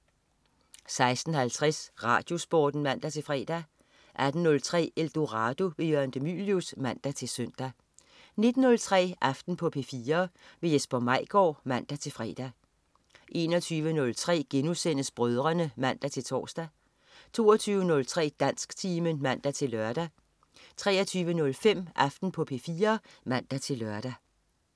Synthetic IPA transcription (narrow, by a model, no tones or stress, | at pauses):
sɑ̈ɪsd̥n̩hælt͡sʰʁɛsʁɑ̈ːd̥jo̝sb̥o̰ːd̥n̩mæn̰d̥æt͡sʰe̝lfʁɛ̰ːd̥æ | ʔæd̥n̩nɔ̽lt͡sʰʁɛ̰ːeld̥o̝ʁɑ̈ːd̥o̝ʋe̝jøɐnd̥emy̰ljusmæn̰d̥æt͡sʰe̝søn̰d̥æ | ne̝d̥n̩nɔ̽lt͡sʰʁɛ̰ːʔɑfd̥n̩pʰɒ̽pʰe̝fiːɐʋe̝jesb̥ɒmɑ̈ɪ̰ɡ̥ɒ̰ːmæn̰d̥æt͡sʰe̝lfʁɛ̰ːd̥æ | ʔe̝̰ːnɒ̽t͡sʰyːʋənɔ̽lt͡sʰʁɛ̰ːɡ̥enusen̰əsb̥ʁœð̞ˠʁɐnəmæn̰d̥æt͡sʰe̝lt͡sʰɒ̰ːsd̥æ | t͡sʰo̝ːɐt͡sʰyːʊʋənɔ̽lt͡sʰʁɛ̰ːd̥æn̰sɡ̥t͡sʰiːmənmæn̰d̥æt͡sʰe̝lːɶɐɾ̥æ | t͡sʰʁɛ̰ːɐt͡sʰyːʋənɔ̽lfem̰ʔɑ̈fd̥n̩pʰɒ̽pʰe̝fiːɐmæn̰d̥æt͡sʰe̝lɶɐd̥æ